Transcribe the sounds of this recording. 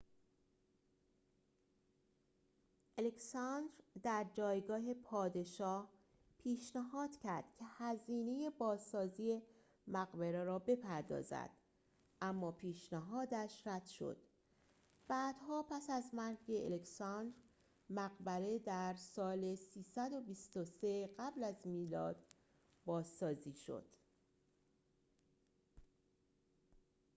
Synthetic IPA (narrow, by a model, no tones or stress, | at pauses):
ʔeleksɑnd̪ɾd̪æɾd͡ʒɒːjɡɒːɦe̞pʰɒːd̪e̞ʃɒːh | pʰiːʃnæɦɒːd̪̥cʰæɾd̪̥cʰe̞hæziːne̞je̞bɒːzsɒːziːe̞ | mæɣbeɾeɾɒːbe̞pʰæɾd̪ɒ̰ːzæ̰d̪̥ | ʔæmːɒːpʰiːʃnæɦɒːd̪æʃɾæd̪̥ʃo̞̰d̪̥ | b̥æːd̪̥hɒːpʰæsæzmæɾɡeʔḛleksɑnd̪ɾ | mæɣbæɾe̞d̪æɾsɒːlesiːsæd̪o̞bist̪ose̞ɢæblæzmiːlɒːd̪̥ | bɒːzsɒːziːʃo̞̰d̪̥